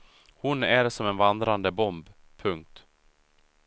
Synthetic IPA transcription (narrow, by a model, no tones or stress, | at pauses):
hʊnæɾsɔmɛnvand̪ɾand̪əbɔmb | pʰɵŋk̚t̪